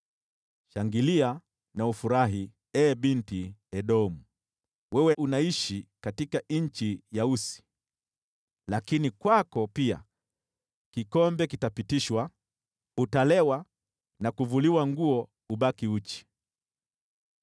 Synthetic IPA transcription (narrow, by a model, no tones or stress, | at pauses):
ʃaŋɡilia | naufuɾaɦi | ɛɓintiɛɗɔmu | wɛwɛʔunaiʃikatikaɲ̩t͡ʃijausi̥ | lakinikwakɔpia̰ | kikɔmbɛkitapitiʃwa | utalɛwa | nakuvuliwaŋɡuɔ | uɓakiut͡ʃi̥